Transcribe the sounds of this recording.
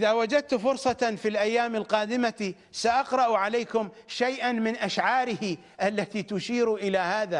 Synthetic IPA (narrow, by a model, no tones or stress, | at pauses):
ʔɪðawad͡ʒad̪̚t̪fʊɾsˤɑfilʔajːaːmɪlqɑːd̪ɪmat̪i | saʔɑqɾˤɑʔʕaleːkʊm | ʃajʔanmɪnʔaʃʕɑːɾɪhi | ʔalːat̪iːt̪ʊʃiːɾʔɪlahaːða